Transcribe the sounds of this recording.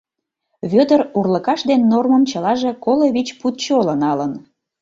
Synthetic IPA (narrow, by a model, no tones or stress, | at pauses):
βød̪ərurləkɑʃd̪enːorməmt͡ɕəlɑʒe̽koloβit͡ɕput̪t͡ɕolənɑlən